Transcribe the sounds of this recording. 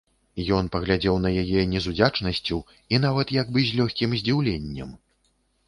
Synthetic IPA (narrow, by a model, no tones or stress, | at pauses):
jɔnpɐɣlʲad͡zʲɛwn̪ɐjajɛnʲɛzud͡zʲat͡ʂnɐsʲt͡sʲu | inavɐt̪jaɡbɨzʲlʲɔxʲkʲimzʲd͡zʲiwlʲenʲːɐ̰m